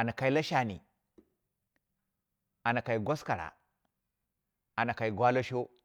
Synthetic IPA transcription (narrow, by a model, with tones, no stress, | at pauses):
a˨na˨ka˨i˦la˦ʃa˨nḭ˨ | a˨na˨ka˨i˨ɡʷa˦ska˨ɾa̰˨ | a˨na˨ka˨i˨ɡwa˦lo˦ʃo˦